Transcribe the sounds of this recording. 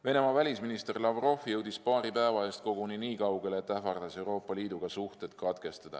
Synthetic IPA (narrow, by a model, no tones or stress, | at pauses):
ve̞ne̞mɑvælʲisminist̪e̞rlɑvro̞fjɤwd̪̥ispɑːɾipæevɑe̞st̪̚ko̞ɡ̥uniniːkɑwɡe̞leːt̪ːæfɑrd̪̥ɑse̞wɾo̞ːpˑːɑliːd̪uɡ̥ɑsuht̪et̪kɑd̪̥ke̞st̪ɑd̪̥ɑ̰